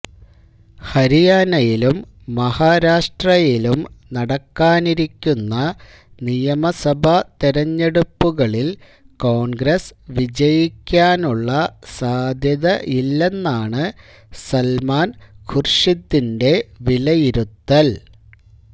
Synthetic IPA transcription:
hɐɾijaːnɐjilumː | ɐhaːɾaːʂʈrɐjilumnɐɽɐkːaːniɾikʲːunːɐ | nijɐmɐsɐbʱɐt̪iɾɐɲːe̞ɽupːuɣɐɭil | ko̞ːɳɡɾesʋid͡ʑɐjikʲːaːnuɭːɐsaːd̪ʱjɐðɐʔilːe̞nːaːɳɨ | sɐlmaːnkʰurʂid̪ːinde̞ʋilɐjiɾut̪ːɐl

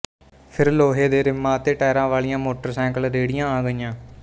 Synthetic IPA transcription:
pʰɪɾloːɦeːd̪eːɾɪmːãːt̪eːʈɛːɾãːʋaːlijãːmoːʈəɾsɛ̃ːŋkəlɾeːɽɪjãːaːɡəɪjãː

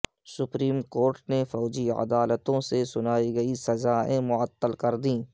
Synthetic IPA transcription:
sʊpɾiːmkoːɾʈnefɔːd͡ʒiə̰d̪aːlət̪õsesʊnaːiɡɐisɐzaːẽmʊət̪ːəlkɐɾd̪ĩː

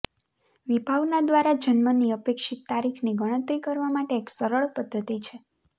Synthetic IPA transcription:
ʋibʱaʋnad̪ʋaɾad͡ʒənməniəpekʃit̪ːaɾikʰniɡəɽ̃ə̃t̪ɾikəɾʋamaʈeːksəɾəɭpəd̪ːət̪it͡ʃʰe

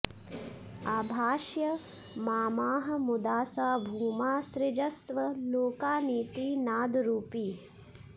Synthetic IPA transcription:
aːbʱaːʃjɐ | maːmaːɦɐ̆mud̪aːsaːbʱuːmaːsɾɪd͡ʒɐsʋɐloːkaːniːt̪iːnaːd̪ɾuːpiː

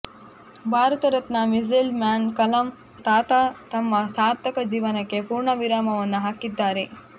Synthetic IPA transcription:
bʱaːɾɐt̪ɐɾɐt̪nɐmizilmjaːnkɐlɐm | t̪aːt̪at̪ɐmːɐsaːɾt̪ʰɐkɐd͡ʒiːʋɐnɐkːe̞puːɾɳɐʋiɾaːmɐʋɐnːuɦaːkid̪ːaːɾe̞

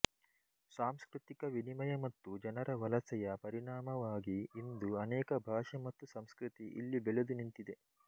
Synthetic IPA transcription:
saːmskɾit̪ikɐʋinimɐjɐmɐt̪ːud͡ʒɐnɐɾʔɐʋɐlɐsɐjɐpɐɾiɳaːmɐʋaːɡiːnd̪uɐnɛːkɐbʱaːʂɐmɐt̪ːusɐmskɾit̪iʔḭlːibɛled̪unint̪id̪e

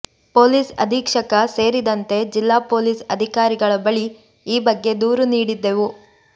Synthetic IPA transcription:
po̞ːliːsɐ̰d̪ʱiːkʂɐkɐse̞ːɾid̪ɐnt̪e̞d͡ʒilːaːpo̞ːliːsɐd̪ʱikaːɾiɡɐɭɐbɐɭi | iːbɐɡːe̞d̪uːɾuniːɽid̪ːe̞ʋu

